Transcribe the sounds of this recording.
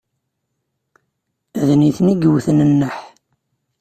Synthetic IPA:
æðniθniɡəwθənənːəħ

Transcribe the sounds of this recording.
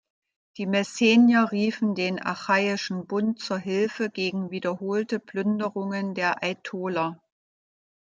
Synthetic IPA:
d̥iːmɛseːnjɐʁiːfn̩deːnʔa̰xaɪɪʃn̩bʊnt̚t͡suːɐɦɪlfəɡeːɡŋ̩viːdɐɦoːltəplʏndəʁʊŋəndeːɐʔaɪtʰoːlɐ

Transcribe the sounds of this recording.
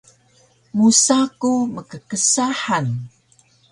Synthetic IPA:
musakuməkəkəsaħan

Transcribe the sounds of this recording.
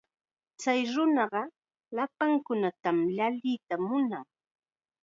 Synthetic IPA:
t͡sajɾʊnɑɢɑ | lapaŋkʊnat̪amʎaʎɪt̪amʊnaŋ

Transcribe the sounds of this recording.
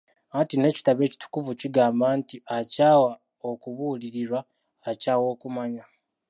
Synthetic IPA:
atine̞ːci̥taβe̞ːci̥tu̥kuvuciɡaːmbaːntiacaːwa | o̞kuβuːliɾiɾwaː | caːwo̞ːkumaɲa

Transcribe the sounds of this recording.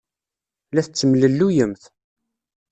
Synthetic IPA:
læθət͡sːəmləlːujəmθ

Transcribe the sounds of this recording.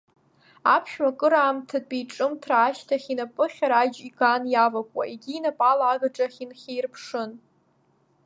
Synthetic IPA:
apʰʃᶣmakʼɨɾaːmtʰadbijʈ͡ʂʼɨmtʰraːʃtʰaχʲinapʼɨχʲaɾad͡ʒiɡanjavakʷʼwa̰ʔeɡʲiːnapʼalaːɡaʈ͡ʂʼaχʲinχʲejrpʰʂɨn

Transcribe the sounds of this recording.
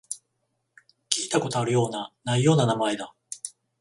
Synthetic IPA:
kʲiːt̪ako̞t̪o̞aɾɯ̟jo̞ːnanaijo̞ːnanamae̞d̪a

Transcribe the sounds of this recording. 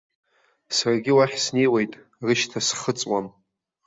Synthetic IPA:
sarɡʲɪwaħsne̞jwejtʼ | rɨʃtʰasχət͡sʼwam

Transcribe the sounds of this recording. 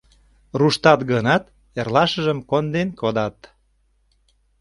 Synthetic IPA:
ruʃt̪ɑt̪ɡənɑt̪ | erlɑʃəʒəmkond̪enkod̪ɑt̪

